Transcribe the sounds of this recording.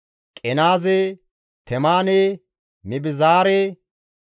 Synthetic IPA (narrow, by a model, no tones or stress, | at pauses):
kʼɛnaːze | t̪ʰɛmaːneː | mɪbɪzaːɾeː